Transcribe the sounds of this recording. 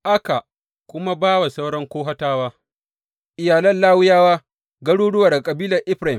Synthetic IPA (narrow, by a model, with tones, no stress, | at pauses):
ʔa˦ka˨ | kʷʊ˦ma˦baː˦ba˨sɐ˦wɽɐ˦ŋkʷoː˦ɦa˦taː˦waː˦ | ʔɪ˨jaː˨lɐ˦nlaː˦wʊ˦jaː˦waː˦ | ɡɐ˦ɽuː˦ɽʊ˦wa˨rda˨kʼɐ˨biː˦lɐ˨ʔɪ˦ɸɾa˨ɪ˨m